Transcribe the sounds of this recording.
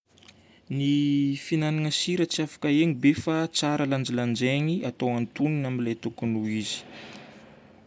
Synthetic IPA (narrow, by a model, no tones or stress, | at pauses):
nifinananəsiɾət͡siafḁkaeɲibefat͡saɾəland͡ʒiland͡ʒeɲiat̪owant̪uninamilajt̪ukunuizi̥